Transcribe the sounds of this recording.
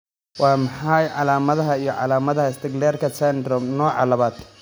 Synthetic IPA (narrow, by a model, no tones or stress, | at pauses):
wɑːmɑħɑjʕɑlaːmɐðɐɦɐijɞʕɑlaːmɐðɐhɐɪst̪ʰɪɡlɛːrkʰɐsɛnd̪ɾɔmnɔːʕɑ̰lɐβaːd̪